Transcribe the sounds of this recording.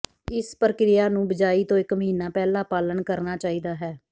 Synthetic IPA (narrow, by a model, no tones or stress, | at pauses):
ɪspəɾəkɾɪjaːnũːbəd͡ʒaːiːt̪õːɪkməɦiːnaːpɛːlaːpaːlənkəɾnaːt͡ʃaːiːd̪aːɦɛː